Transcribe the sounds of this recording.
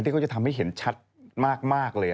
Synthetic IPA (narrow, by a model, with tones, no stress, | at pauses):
ni˥˩kʰt͡ɕa˨˩t̪ʰmha˥˩jɦe˩˦nt͡ɕʰa˦˥t̪̚maː˥˩k̚maː˥˩k̚lɤː˧